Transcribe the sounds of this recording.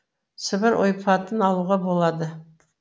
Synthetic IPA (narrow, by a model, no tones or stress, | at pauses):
səbɪɾʔo̰jpʰɑt̪ənɑlˠuʁɑbolˠɑd̪ə